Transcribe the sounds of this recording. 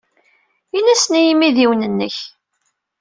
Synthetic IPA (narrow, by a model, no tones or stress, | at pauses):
inæsnijimːiðiwnənːəç